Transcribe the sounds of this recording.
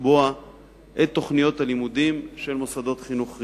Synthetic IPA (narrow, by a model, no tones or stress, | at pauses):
boa | ʔet̪ːo̞χnijo̞t̪alimud̪imʃe̞lmosad̪o̞t̪χinuχ